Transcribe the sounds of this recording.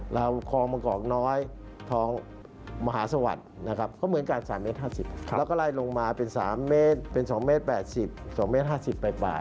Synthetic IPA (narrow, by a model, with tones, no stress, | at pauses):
ɾa˧wkʰɔː˧ŋmaː˧kɔː˨˩k̚nɔː˦˥jt̪ʰɔː˦˥ŋ | ma˧ɦaː˩˦sa˧wa̰˨˩t̪̚na˦˥kʰa˦˥p̚kɔː˥˩mɯ˨˩˦ə˦nkaː˧˩nsaː˩˦mːe˦˥t̪̚ɦaː˥˩si˨˩p̚ʰɛː˦˥wkɔː˥˩laː˧˩jlo˧ŋmaː˧pe˧nsaː˩˦mːeː˦˥˩t̪̚pe˧nsɔː˩˦ŋmeː˦˥t̪̚pɛː˨˩t̪̚si˨˩p̚sɔː˨˩˦ŋmeː˦˥t̪̚ɦaː˥˩si˨˩pːa˧jpa̰ː˨˩t̪̚